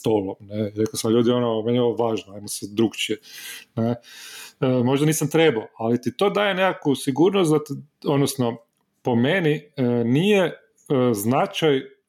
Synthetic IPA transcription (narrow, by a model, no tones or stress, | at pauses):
st̪oːlˠomneɾe̞kosamʎuːd̪ionomnjeoʋoʋaːʒnoajmosɛd̪ɾukt͡ʃijene | mo̞ʒd̪aniːsamt̪ɾebaoalit̪it̪o̞d̪aːje̞nekakusiɡuɾnost̪d̪at̪od̪nosno | po̞meninije | znat͡ʃaj